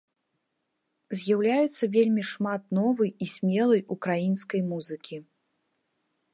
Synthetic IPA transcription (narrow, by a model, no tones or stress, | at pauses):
zʲjawlʲajut̪sːɐvʲelʲmʲiʂmat̪nɔvɨjisʲmʲɛlˠɐjukɾajinskɐjmuzɨkʲi